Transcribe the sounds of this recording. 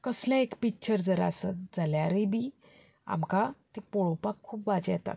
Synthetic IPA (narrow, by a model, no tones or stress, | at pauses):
kəsljãekpikːt͡ɕəɾd͡zəɾa̰sat̪d͡zaljaɾəbi | a̰mkat̪ipɔɭopakʰːuːpʋad͡ʑjɛt̪a̰